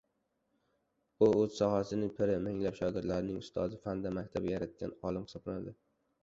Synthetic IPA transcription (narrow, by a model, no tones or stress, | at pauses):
ʊɵz̥sɒhasɪnɪŋpʰɪɾɪmɪŋlapʃɒɡʲɪɾt̪laɾɪnɪŋʊst̪ʰɒd̪ɪfand̪amak̚ʲt̪ʰabʲjaɾat̪̚kʲa̰nɒlɪmχɨsɒblanad̪ɪ